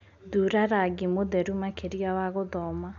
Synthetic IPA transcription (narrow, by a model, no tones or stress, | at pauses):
duɾaɾaɡimoðɛɾumakeɾjawaɣoðɔma